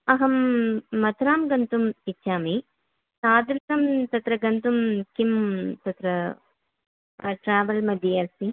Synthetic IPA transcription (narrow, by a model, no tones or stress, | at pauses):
ɐɦɐmːɐt̪ʰɾaːmɡɐnt̪umit͡ʃːaːmi | saːd̪ɾkɐmt̪ɐt̪ɾɐɡɐnt̪umkimt̪ɐt̪ɾɐ | ʈɾaːʋɐlmɐd̪ʱiɐɾsi